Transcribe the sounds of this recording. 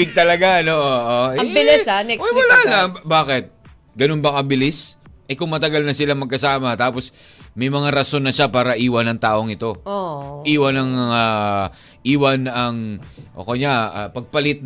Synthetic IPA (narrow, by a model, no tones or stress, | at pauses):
ɪɡ̚t̪ɐlɐɡanoʔoʔoɐbɪlɪanɛkwɐlaːlaŋbaːkɪt̪̚ | ɡɐnonbɐŋɐbɪlɪsʔɐjkʊŋmɐt̪ɐɡalnɐsɪlaŋmɐɡ̚kɐsaːmɐt̪aːpos | mɐjmɐŋaɾɐso̞nːɐʃapaːɾɐʔiːwɐnɐŋt̪aːʔo̞ŋɪt̪o̞oʔiːwɐnɐŋa | ʔiːwɐnɐŋʔo̰ːkoɲapɐɡ̚pɐlɪt̪̚